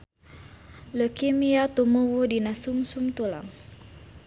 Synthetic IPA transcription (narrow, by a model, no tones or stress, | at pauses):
ləkimiat̪umuwudinasumsumt̪ula̰ŋ